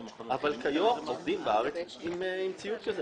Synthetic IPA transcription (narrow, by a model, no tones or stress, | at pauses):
avalkajomovd̪imbaaʁet͡simmt͡siut̪̚kaz